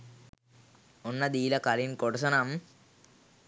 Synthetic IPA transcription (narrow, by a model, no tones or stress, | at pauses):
onːɐd̪iːlɐkɐlinkoɽusɐnɐm